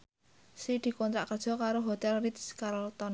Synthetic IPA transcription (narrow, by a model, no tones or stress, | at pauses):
sid̪̥i̤kɔnt̪ɾa̰ʔkərd̥ʒ̥ɔ̤kaɾoɦot̪ɛlrit̪skaɾlt̪ɔn